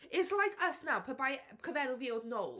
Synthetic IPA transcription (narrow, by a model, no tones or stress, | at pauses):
ɪslˠajkʰəsnawpʰəbajkʰəvɛɾʊviodnowlˠ